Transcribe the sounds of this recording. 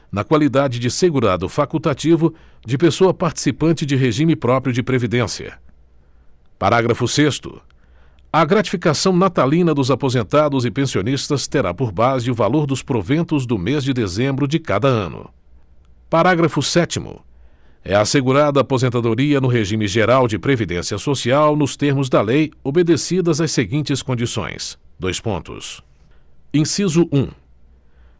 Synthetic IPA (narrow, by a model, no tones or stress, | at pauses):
nɐkwalid̪ad͡ʒɪd͡ʒɪseɡuɾad̪ʊfakut̪at͡ʃivʊ | d͡ʒɪpesoɐpaɾt͡ʃi̥sipɐ̃nt͡ʃɪd͡ʒɪɦeʒĩmɪpɾɔpɾjʊd͡ʒɪpɾevid̪ẽsiɐ̰ | pa̰ɾaɡɾɐfʊsest̪ʊ̰ | ɐɡɾat͡ʃi̥fikasɐ̃w̃nat̪alĩnɐd̪ʊzapozẽnt̪ad̪ʊzɪpẽsionist̪ɐst̪eɾa̰poɾbazɪʊvaloɾd̪ʊspɾovẽnt̪ʊzd̪ʊmezd͡ʒɪd̪ezẽmbɾʊd͡ʒɪka̰d̪ɐɐ̰̃nʊ̰ | paɾaɡɾɐfʊsɛt͡ʃimʊ̰ | ɛ̰ɐːseɡuɾad̪ɐːpozẽnt̪ad̪oɾiɐnʊɦeʒĩmɪʒeɾawd͡ʒɪpɾevid̪ḛ̃siɐsosiawnʊst̪eɾmʊzd̪ɐlejobed̪esid̪ɐzɐseɡĩnt͡ʃɪskõnd͡ʒisõ̰j̃sd̪ojspõ̰nt̪ʊ̰s | ĩsizʊʔũ